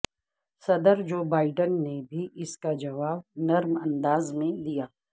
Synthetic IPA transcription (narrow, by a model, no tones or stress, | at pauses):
sɐd̪əɾd͡ʒoːbaːɪɖənːebʱiʔɪskad͡ʒɐʋaːbnɐɾmɐ̃nd̪aːzmẽd̪ijaː